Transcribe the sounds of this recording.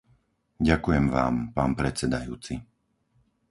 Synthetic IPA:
ɟakujɛmʋa̰ːmpaːnpɾɛt͡sɛd̪ajuːt͡si

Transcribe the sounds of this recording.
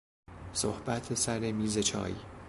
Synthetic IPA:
so̰hb̥æt̪ʰesæɾemiːze̞t͡ʃʰɒ̰ːjḭː

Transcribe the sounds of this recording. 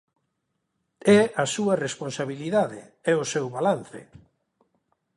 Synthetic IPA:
ɛasuɐresponsaβiliðaðɪ̰ | ɛʊsewβalanθɪ̰

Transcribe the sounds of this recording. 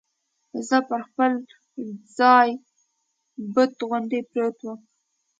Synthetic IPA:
zəpəɾxpəl | zɑj | bət̪ɣʊnd̪epɾet̪wəm

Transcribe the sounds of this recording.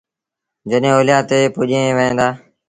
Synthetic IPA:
d͡ʒəɗɦẽːoːljãːt̪eːpʊʄẽːʋəẽːd̪aː

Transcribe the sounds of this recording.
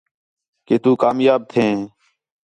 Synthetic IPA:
keːt̪uːkaːmjaːb̚t̪ʰẽː

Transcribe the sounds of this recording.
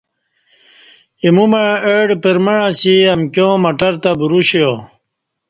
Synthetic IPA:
imumaeɖpəɾmeɻãsiɐmkjõːmɐʈɐɾt̪abuɾuɕejo

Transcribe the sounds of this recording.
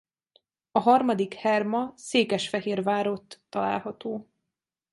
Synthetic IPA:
ɒɦɒrmɒd̪ikhɛrmɒseːkɛʃfɛɦeːrvaːɾot̪ːɒla̰ːlɦɒt̪oː

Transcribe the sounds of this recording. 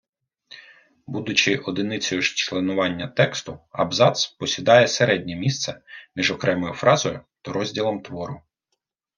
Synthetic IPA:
bud̪ʊt͡ʃɪʔɔd̪ɪnɪt͡sʲɔjʊʃt͡ʃlˠenʊʋɑnʲːɐt̪ɛkst̪ʊɐ̰bzɑt̪spɔsʲid̪ɑjɛseɾɛdʲnʲɛmʲist̪sɛmʲiʒɔkɾɛmɔjʊfɾɑzɔjʊt̪ɐɾɔzʲdʲilˠɔmt̪ʋɔɾʊ

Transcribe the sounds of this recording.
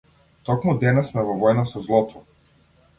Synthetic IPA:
t̪ɔkmud̪ɛnasmɛvɔvɔjnasɔzlˠɔt̪ʰɔ

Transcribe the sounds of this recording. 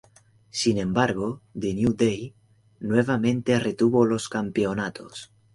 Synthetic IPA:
sinẽ̞mbaɾɣoðenjud̪ej | nweβ̞amẽnt̪eret̪uβolo̞skampeonat̪o̰s

